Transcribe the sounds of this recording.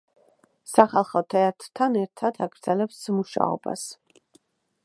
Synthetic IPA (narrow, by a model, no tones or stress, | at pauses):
saχalˠχɔt̪ʰɛat̪ʰɾt̪ʰanɛɾt̪ʰad̪aɡɾd̪zɛlɛpsmuʃa̰ɔ̰ba̰s